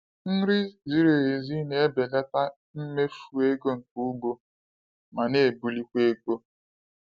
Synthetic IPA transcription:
n̩˦ɾɪ˦zi˦ɾe˨e˨zi˦ne˨e˦be˨le˦ta˦ | m̩˦me˦fu˨e˦ɡo˦ŋ̩˨ku˦ɡ͡bo˦ | ma˨ne˦˨bu˨li˦kʷe˦ko˦

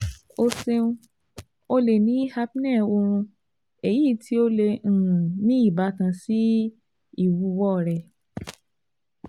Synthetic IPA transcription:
o˧sẽ˧˦ | o˧le˨nĩ˨˦ha˦pi˦nɛ˦˨o˧ɾ̃ũ˧ | e˨ji˦˨tʰi˦o˦lẽ˧˨nĩ˦i˦˨ba˨˦tã˧si˦ | i˦˨wu˨˧˦wɔ˦˨ɾɛ˨

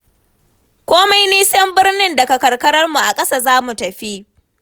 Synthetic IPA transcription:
kʷoː˦ma˦jniː˦sɐ˦mbɪ˦rnɪ˦ndɐ˨kɐ˨kɐ˨rkɐ˦ɾɐ˦rmu˨ʔa˨kʼɐ˦sa˦˨zaː˦mu˨tɐ˨ɸi˦ʔ

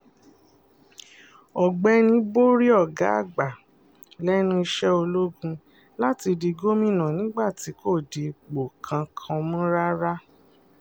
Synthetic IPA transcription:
ɔ˨ɡ͡bɛ˧˦nĩ˧˦bo˦ɾi˦ɔ˦˨ɡa˨˦a˦˨ɡ͡ba˨ | lɛ˦nũ˦i˧ʃɛ˦o˧lo˦ɡũ˧ | la˦ti˧di˧ɡo˦mĩ˦˨nã˨nĩ˦ɡ͡ba˦˨ti˨˦ko˦˨de˨k͡po˨kʰã˨˧kʰã˧mũ˦ɾa˦ɾa˦

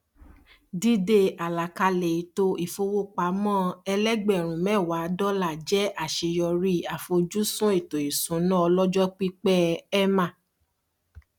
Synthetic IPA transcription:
di˦de˦˨a˨la˨ka˧le˨i˨˦to˦i˦˨fo˧wo˦k͡pa˨˦mɔ̃˦˨ɛ˧lɛ˦ɡ͡bɛ˨ɾ̃ũ˨mɛ̃˦˨wa˨˦dɔ˦la˦˨d͡ʒɛ˦ʔa˨ʃe˧jɔ˧ɾi˦˨a˨fo˧d͡ʒu˦sũ˦e˦˨to˨i˨sũ˨˦nã˦ɔ˧lɔ˦d͡ʒɔ˦k͡pi˦k͡pɛ˦ɛ˦mã˦˨

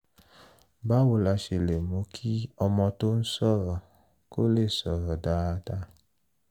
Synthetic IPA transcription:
ba˦wo˨la˧ʃe˨le˨mu˨˦kʰi˦ɔ˧mɔ̃˧to˦n̩˦sɔ˦˨ɾɔ˨ | ko˦le˦˨sɔ˨ɾɔ˨daː˦da˧˦

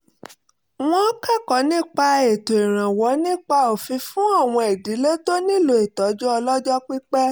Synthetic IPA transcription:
w̃ɔ̃˦ka˦˨kɔ˨˦nĩ˦k͡pa˧e˨to˨i˨ɾ̃ã˨wɔ˨˦nĩ˦k͡pa˧o˨fĩ˧fũ˦a˦˨w̃ɔ̃˧e˨di˨˦le˦to˦nĩ˦˨lo˧˦e˨tɔ˨˦d͡ʒɔ˦ɔ˧lɔ˦d͡ʒɔ˦k͡pi˦k͡pɛ˦

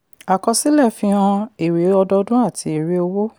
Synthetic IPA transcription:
a˨kɔ̃˧si˦lɛ˦˨fĩ˧˦ã˧e˨ɾe˨˦ɔ˧dɔ˧dũ˦a˦˨ti˧˦e˨ɾe˦o˧wo˦

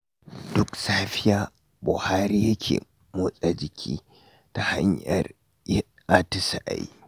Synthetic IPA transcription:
d̥ʊ˦ksaː˦ɸɪ˦jaː˦ | bʊ˨haː˦ɾiː˦jɐ˦kʲʰḛː˨ | mo˦sʼa˨d͡ʒɪ˨kʲʰḭː˦ | ta˨ha̰˦ɲjɐ̰˨r | ʔa˦tɪ˦sa˨ʔa̰˨jḭ˦

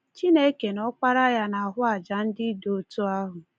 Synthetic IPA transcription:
t͡ʃi˦ne˦ke˨nɔ˦k͡pa˦ɾa˦ja˦na˨a˨ɦʊ˦a˨d͡ʒa˨n̩˦dɪ˦do˨o˨tu˦a˦ɦʊ˨

